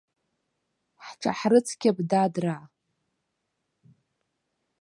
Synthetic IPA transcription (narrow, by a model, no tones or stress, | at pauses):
ħʈ͡ʂʰa̰ħrɨt͡sʰkʲabdadra